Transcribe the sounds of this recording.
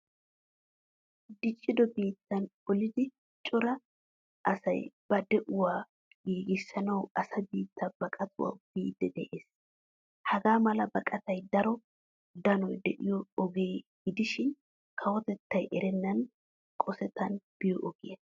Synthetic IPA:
d̪ɪt͡ʃʼːɪd̪ɔbiːt̪ːɐnɔlɪd̪ɪ | t͡ʃʼɔɾɐ | ʔɐsɐ̰jb̥ɐd̪ɛʔʊwaː | ɡiːɡɪsːɐnɐwɐsɐbiːt̪ʰːɐbɐkʼɐt̪ʰʊwa̰b̥iːd̪ːɛd̪ɛʔeːs | hɐɡaːmɐlɐbɐkʼɐt̪ɐjd̪ɐɾɔ | d̪ɐnɔjd̪ɛʔɪjɔːɡeːɡɪd̪ɪʃɪn | kʰɐwɔt̪ɛt̪ːɐjʔɛɾɛnːɐn | kʼɔsɛt̪ʰːɐnb̥ɪjɔʔɔɡɪjɐ

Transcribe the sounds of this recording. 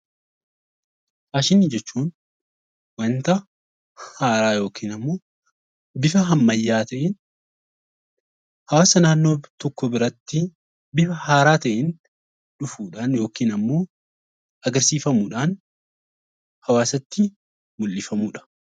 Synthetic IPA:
ʔaːʃɪnːɪd͡ʒɛt͡ʃːuːn | wɐnt̪ɐ | haːɾaːjo̞ːkiːnɐmːo̞ː | bɪfɐɦɐmːɐjːaːt̪ɐʔɪn | hɐwaːsɐnaːnːo̞ːt̪ɔkːɔbɪɾɐt̪ːɪ | bɪfɐhaːɾaːt̪ɐʔɪn | ᶑʊfuːᶑaːnjo̞ːkiːnɐmːo̞ː | ɐɡɐɾsiːfɐmuːᶑaːn | hɐwaːsɐt̪ːɪ | mʊlːɪfɐmuːᶑɐ̥

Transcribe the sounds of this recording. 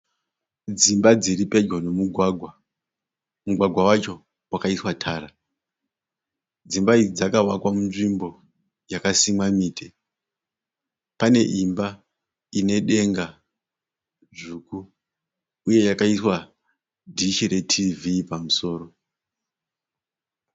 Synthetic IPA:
d͡zimbad͡ziɾiped͡ʒwono̞muɡʱaɡʱwa | muɡʱwaɡʱwawat͡ʃo̞ | wakaiswatʰaːɾa | d͡zimbaid͡zid͡zakawakwamunʐimbo̞ | jakasimwamiːtʰe | pane̞̰ʔimba | ine̞ɗe̞ŋɡa | ʐuːkuː | je̞jakaiswa | dʱiʃiɾetʰivipamuso̞ːɾo̞

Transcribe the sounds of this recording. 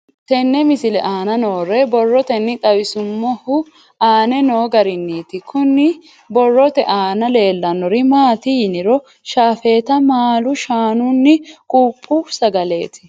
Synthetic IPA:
t̪ɛnːɛmɪsɪlɛʔaːnɐnoːrɛbɔrːɔt̪ɛnːɪt̪ʼɐwɪsʊmːɔhʊ | aːnɛno̞ːɡɐɾɪnːiːt̪ɪkʰʊnːɪ | bɔrːɔt̪ɛʔaːnɐle̞ːlːɐnːɔɾɪmaːt̪ɪjɪnɪɾɔ | ʃaːfe̞ːt̪ɐmaːlʊʃaːnʊnːɪkʼuːpʼːʊsɐɡɐle̞ːt̪ɪ̥

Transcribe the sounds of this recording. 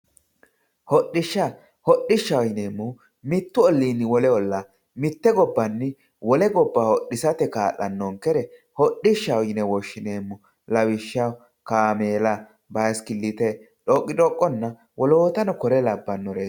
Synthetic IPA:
hɔɗɪʃːa | hɔɗːɪʃːɐwjneːmːʊ | mɪt̪ːʊɔlːiːnːɪwɔlɛɔlːa | mɪt̪ːɛɡɔbːɐnːɪ | wɔlɛɡɔbːahɔɗːɪsɐt̪ɛkaːʔɐnːɔŋkɛɾɛ | hɔɗɪʃːɐwjnɛwɔʃːɪneːmːʊ | lɐwɪʃːɐ | kaːmeːlɐ | bɐskɪlːɪt̪ɛ | ᶑɔkʼːɪᶑɔkʼːɔnːɐ | wɔloːt̪ɐnɔkɔɾɛlɐbːɐnːɔɾeː

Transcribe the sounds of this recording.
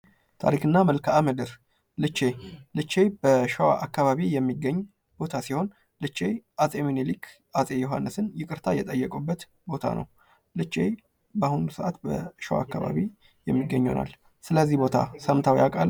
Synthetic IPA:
t̪ʰa̰ɾikɨnːaməlkʰaamɨd̪ɨɾ | lɨt͡ʃːe̞lɨt͡ʃːe̞b̥əʃəwa̰ʔakːaβaβijɛmːiɡːəɲː | b̥o̞t̪ʰasiho̞n | lɨt͡ʃːe̞ʔasʼe̞minelikʰ | ʔasʼe̞joɦa̰nːɨsɨnjɪkʼɨɾt̪ʰajɛt̪ʼəjːɛkʼubːət̪ | bo̞t̪ʰa̰nʔə̰w | lɨt͡ʃːe̞̰ | bahunusəʔat̪bə̰ʃəwa̰kːaβa̰βi | jɛmːiɡːəɲːo̰na̰l | sɨləzːihbo̞t̪ʰa̰səmt̪ʰawḭakʼal

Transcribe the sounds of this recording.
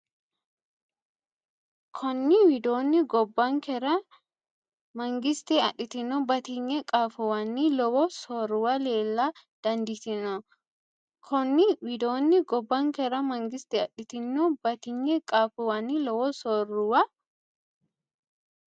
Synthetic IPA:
kʰɔnːɪwɪd̪oːnːɪɡɔbːɐŋkɛɾɐ | mɐŋɡɪst̪ɛɐ̰ᶑɪt̪ɪnːɔbɐt̪ɪɲːɛkʼaːfʊwɐnːilɔwɔsɔɾʊwɐleːlːaːd̪̥ɐnd̪ɪt̪ɪnɔ | kʰɔnːɪwɪd̪oːnːɪɡɔbːɐŋkɛɾɐmɐŋɡɪst̪ɛɐɗɪt̪ɪnːɔbɐt̪ɪɲːɛkʼaːfʊwɐnːilɔwɔsɔrʊwɐ

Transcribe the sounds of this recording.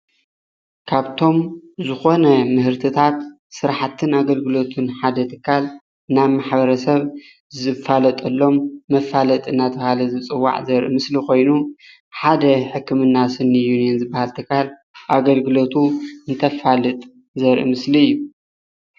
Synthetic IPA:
kʰaβt̪ʰo̞mzɨxo̞nɐmɨhɨɾt̪ʰɨt̪ʰat̪ | sɨɾħat̪ʰɨnaɡɐlɡɨlo̞t̪ʰunħad̪ɐt̪ʰɨkʰːal | ɨnamaħbɐɾɐsɐβ | zɨfalɐt̪ʼɐlːo̞mːɐfalɐt̪ʼɨnːat̪ʰɐhalɐzɨt͡sʼɨwːa̰ʕzɐɾʔɨ̰mɨslikʰo̞jnu | ħad̪ɐħɨkːɨmɨnːasɨnːijunijɛnzɨbːahalt̪ʰɨkʰːal | ʔaɡɐlɡɨlo̞t̪ʰuɨnt̪ʰɐfalɨt̪ʼ | zɐɾʔɨ̰mɨsliɨjːu

